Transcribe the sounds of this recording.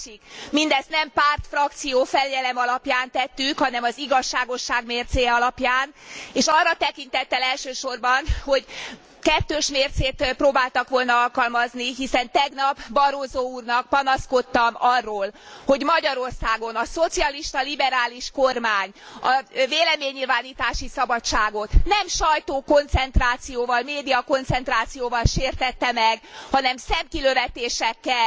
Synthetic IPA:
ʃikmind̪ɛst̪nɛmpaːrt̪frɒk̚t̪sijoːfɛljɛlɛmɒlɒpjaːnt̪ɛt̪ːykhɒnɛmɒziɡɒʃːaːɡo̞ʃːaːɡmeːrt̪seːjɛɒlɒpjaːneːʃɒrːɒt̪ɛkint̪ɛt̪ːɛlɛlʃøːʃo̞rbɒnho̞ɟ | kɛt̪ːøːʃmeːrt̪seːt̪proːbaːlt̪ɒkʋo̞lnɒɒlkɒlmɒzniɦisɛnt̪ɛɡnɒbbɒɾoːzoːuːrnɒk̚pɒnɒsko̞t̪ːɒmɒrːoːl | ho̞ɟmɒɟɒɾo̞rsaːɡo̞nɒso̞t̪siɒliʃt̪ɒlibɛɾaːliʃkormaːɲ | ɒveːlɛmeːɲːilvaːniːt̪aːʃisɒbɒt͡ʃaːɡo̞t̪nɛmʃɒjt̪oːko̞nt̪sɛnt̪raːt̪sijoːvɒlmeːd̪ijɒko̞nt̪sɛnt̪raːt̪sijoːvɒlʃeːrt̪ɛt̪ːɛmɛɡhɒnɛmsɛmkiløvɛt̪eːʃɛkːɛ

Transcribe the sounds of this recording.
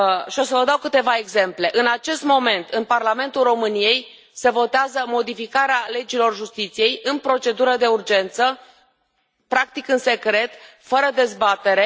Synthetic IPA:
ʃio̞səvəd̪awkɨt̪e̞vaeɡze̞mple̞ʔɨnat͡ʃe̞st̪mo̞me̞nt̪ɨnparlame̞nt̪ulro̞mɨnije̞j | se̞vo̞t̪eazəmo̞d̪ifikaɾeale̞d͡ʒilo̞rʒust̪it̪sije̞jɨnpɾo̞t͡ʃe̞d̪uɾəd̪e̞urd͡ʒe̞nt̪sə | pɾak̚t̪ikɨnse̞kɾe̞t̪ | fəɾəd̪e̞zbat̪e̞ɾe̞

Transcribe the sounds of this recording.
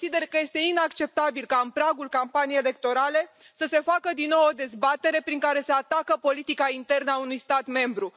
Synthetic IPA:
sid̪e̞rkəje̞st̪e̞inakt͡ʃe̞p̚t̪abilkaɨnpɾaɡulkampaniejele̞k̚t̪o̞ɾale̞ | səse̞fakəd̪inːo̞wo̞d̪e̞zbat̪e̞ɾe̞pɾiŋkaɾe̞seat̪akəpo̞lit̪ikaint̪e̞rnəaunujst̪at̪me̞mbɾu

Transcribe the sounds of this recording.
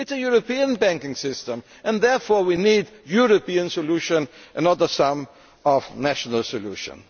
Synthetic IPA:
ɪtsəjʊɹopiə̃nbæ̃ŋkɪ̃ŋsɪstə̃m | ɨ̃nðɛɹfɔɹwinidjʊɹopiə̃nsɔluʃə̃nʔə̃nʌðə˞sʌ̃m | ɔvnæʃənəlˠsɔlṵʃə̰̃n

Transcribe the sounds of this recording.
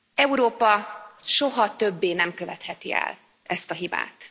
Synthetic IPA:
ɛuɾoːpɒʃo̞ɦɒt̪øbːeːnɛmkøvɛt̪hɛt̪iɛ̰l | ɛst̪ɒɦiba̰ːt̪

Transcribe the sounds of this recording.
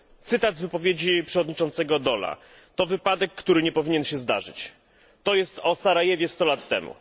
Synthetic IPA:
t̪sɘt̪azʲvɘpɔvʲjed͡ʑipʂɛvɔd̪ɲit͡ʂɔnt̪sɛɡɔd̪ɔla̰ | t̪ɔvɘpad̪ɛkːt̪uɾɘɲɛpɔvʲiɲɛnɕɛzd̪a̰ʐɘ̰t͡ɕ | t̪ɔjɛst̪ɔsaɾajɛvʲjɛst̪ɔlat̪ːɛ̰mṵ

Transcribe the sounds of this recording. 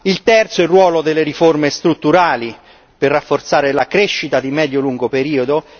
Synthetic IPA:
ilt̪ɛrt̪soɛrːwɔːlod̪elːeɾiformest̪ɾut̪ːuɾaːli | perːafːort̪saːɾelakɾeʃːit̪ad̪imɛːd̪joluŋɡopeɾiːod̪o

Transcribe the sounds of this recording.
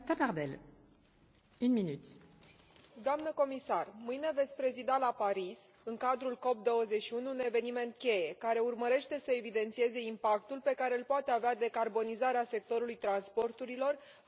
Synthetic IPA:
t̪apaʁd̪ɛl | ynminyt̪ | d̪oamnəko̞misarmɨjne̞vet̪sʲpɾe̞zid̪alapaɾis | ɨŋkad̪ɾulko̞p̚d̪o̞wəze̞ʃiunune̞ve̞nime̞nt̪̚kʲe̞je̞kaɾe̞urməɾe̞ʃt̪e̞səe̞vid̪e̞nt̪sie̞ze̞impakt̪ulpe̞kaɾe̞ɨlpoat̪e̞avead̪e̞karbo̞nizaɾease̞k̚t̪o̞ɾulujt̪ɾanspo̞rt̪uɾilo̞r

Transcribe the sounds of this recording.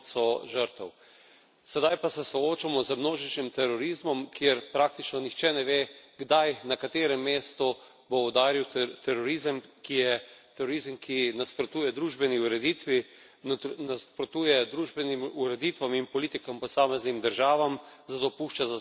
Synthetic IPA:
sɔʒəɾt̪ɛw | sɛd̪ajpasɛsɔoːt͡ʃamɔzəmnoːʒit͡ʃnimt̪ɛɾɔɾizmɔmkjeɾpɾak̚t̪it͡ʃnɔnixt͡ʃɛnɛʋeːɡd̪ajnakat̪eːɾɛmːeːst̪ɔ | boɔd̪aːɾiwt̪ʰɛɾɔɾizəmkijɛt̪ɛɾɔɾizəmkʰinaspɾɔt̪uːjɛd̪ɾuːʒbɛniuɾɛd̪iːt̪ʋi | naspɾɔt̪uːjɛd̪ɾuʒbɛnimuɾɛd̪it̪ʋaminpɔlit̪ikampɔsaːmɛznimd̪əɾʒaːʋamzat̪opuːʃt͡ʃaza

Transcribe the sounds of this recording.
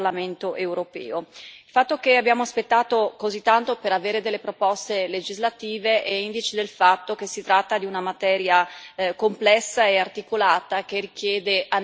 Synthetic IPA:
lament̪oʔewɾopɛ̰ːoilfat̪ːokeabːjaːmoaspet̪ːaːt̪okozit̪ːant̪opeɾaveːɾed̪elːepɾopɔst̪eled͡ʒizlat̪iːveʔɛind̪it͡ʃed̪elfat̪ːokesit̪ɾat̪ːad̪iunamat̪ɛːɾjakomplɛsːaeart̪ikolaːt̪ak̟erik̟jɛːd̪ea

